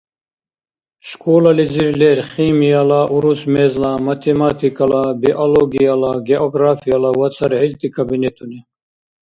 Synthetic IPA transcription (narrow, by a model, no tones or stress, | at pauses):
ʃkʰʼɔlaliziɾlɛɾχimijalaʔuɾusmɛzlamat̪ʰɛmat̪ʰikʼalabiʔɔlɔɡialaɡɛʔɔɡɾafialawat͡sʰaɾhɛlt̪ʰʼikʰʼabinɛt̪ʰʼuni